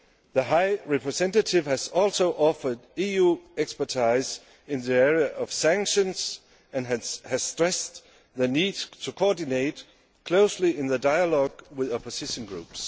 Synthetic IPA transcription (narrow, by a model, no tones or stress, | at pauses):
ðəɦaɪɹɛpʰɹɨsɛ̃ntɨtʰɪv̥hæzɔlˠsoʊʔɔfə˞dijuɛkspə˞tʰaɪz | ɪ̃nðiɛɹiəʔʌv̥sæ̃ŋkʃə̃nz̥ | ɨ̃nhæz̥stɹ̥ɛs | ðəniːd̚tʰəkʰɔdɪneɪt | kʰl̥oʊsliɪ̃nðədaɪəlɔɡwɪðɑposɪʃə̃nɡɹṵps